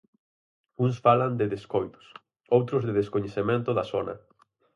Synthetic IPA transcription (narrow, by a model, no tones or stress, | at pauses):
ũŋsfaland̪ɪðeskojt̪ʊ̥s | owt̪ɾʊzðɪðeskoɲeθemẽnt̪ʊðɐsonɐ̰